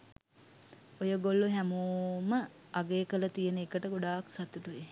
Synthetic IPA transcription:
ojəɡolːuɦæmuːmə | aɡeːkələt̪ijənəekəʈəɡoɖaːksat̪uʈuʋe

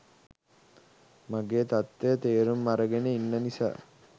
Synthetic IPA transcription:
maɡeːt̪at̪ːejət̪eːɾumːaɾəɡeneinːənisa̰ː

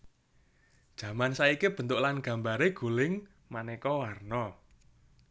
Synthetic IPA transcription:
d̥ʒ̥ä̤mansaikib̥ə̤nt̪ʊʔlanɡ̥a̤mbaɾeɡ̥ṳlɪŋ | manekɔwarnɔ

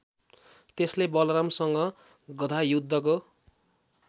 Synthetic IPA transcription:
t̪eslebʌlramsʌŋɡʌ | ɡʌd̪ʱajud̪ʱːʌk̬o

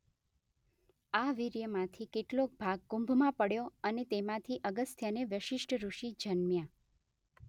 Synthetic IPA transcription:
aʋiɾjəmãt̪ʰikeʈlok̚bʱaɡ̚ːũmbʱmãpəɽjoənet̪emãt̪ʰiʔəɡəst̪ʰjaneʋəʃɪʃʈʰəɾuʃid͡ʒənmjã

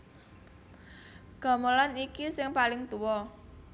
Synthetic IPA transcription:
ɡ̥ɔ̤məlanikisɪŋpalɪŋt̪uwɔ

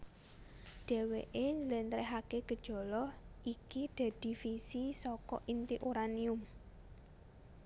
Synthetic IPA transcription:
ɖ̥e̤weʔeɲd͡ʒəlɛnt̪ɾɛɦakeɡ̥ə̤d̥ʒ̥ɔ̤lɔhʔikiɖ̪̥a̤d̪̥i̤fisisɔkɔ̰ʔint̪iʔuɾaniʊm

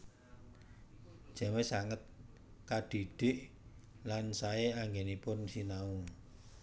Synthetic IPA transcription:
ʒ̥ɛ̤mesaŋət̪̚ | kaɖ̥iɖ̥ɪʔ | lansaeaŋɡenipʊnsinau

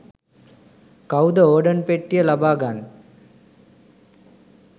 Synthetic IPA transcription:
kɐwd̪ɐoːɖɐnpeʈːɪjɐlɐbaːɡaːn

